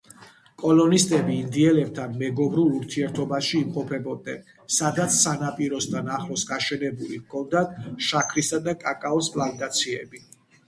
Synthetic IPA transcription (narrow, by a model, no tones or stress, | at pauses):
kʼɔlɔnist̪ʼɛbiːnd̪iɛlɛb̚t̪ʰanmɛɡɔbɾuluɾt̪ʰiɛɾt̪ʰɔbaʃiːmqʼɔpʰɛbɔd̪̚nɛ̰n | sad̪at̪sʰsanapʼiɾɔst̪ʰanaχlˠɔsɡaʃɛnɛbulivkʰɔnd̪at̪ʰʃakʰɾisad̪akʼakʼaɔspʼland̪at̪sʰiɛbi